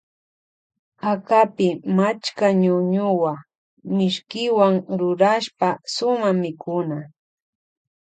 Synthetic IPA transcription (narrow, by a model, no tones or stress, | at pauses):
akapɪmat͡ʃkaɲʊɲʊwa | mɪʃkɪwaŋɾʊɾaʃpasʊmamɪkʊna